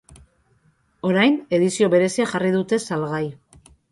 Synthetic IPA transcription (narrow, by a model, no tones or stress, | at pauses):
o̞ɾajne̞ðisio̞βe̞ɾe̞siaʝarið̞ut̪e̞salɣaj